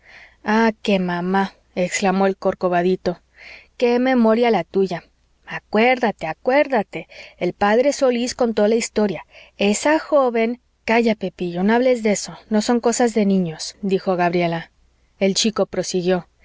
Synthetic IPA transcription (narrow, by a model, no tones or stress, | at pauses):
ake̞mãma | eksklamoelko̞ɾko̞βaðit̪o̞ | ke̞me̞mo̞ɾjalat̪uʝa | akwe̞ɾðat̪e̞akwe̞ɾðat̪e̞elpaðɾeso̞lisko̞nt̪̬oalaist̪o̞ɾjae̞saxo̞βe̞ŋ | kaʝape̞piʝo̞noaβle̞zðe̞so̞no̞so̞ŋko̞sazðe̞nĩɲo̞sd̪ixo̞ɣaβɾje̞la | e̞lt͡ʃiko̞pɾo̞siɣjo̞